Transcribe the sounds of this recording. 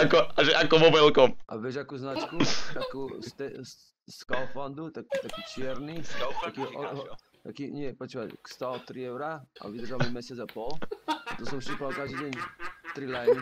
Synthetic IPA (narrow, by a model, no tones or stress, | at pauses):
akɔaʒɛʔakɔmɔvɛlkɔmʔa̰vɛʒakuznat͡ʃkuakust̪ɛs | skalfand̪ut̪akit̪akit͡ʃjɛɾnit̪akiɔ | t̪akiɲiɛpɾɔt͡ʃipat͡ʃkst̪alt̪ɾiɛwɾaa̰vid̪ərʒalmɛmɛsjad͡zapɔlat̪ɔsɔmsipalkaʒd̪id̪ʲɛɲt̪ɾilɛni